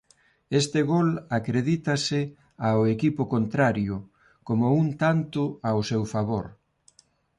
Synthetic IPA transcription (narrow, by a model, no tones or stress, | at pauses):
est̪ɪɣolakɾeðit̪asɪ | aoekipʊkont̪ɾaɾjʊ | komount̪ant̪ʊawsewfaβoɾ